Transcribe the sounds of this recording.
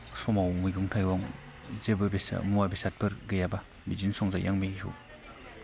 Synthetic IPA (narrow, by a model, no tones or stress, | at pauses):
sɔmawmɯjɡuŋtʰajwɔŋ | zebɯbesa̰muabisat̚pʰɯɾɡejaba | bizinsɔŋzajaŋmeɡihṵ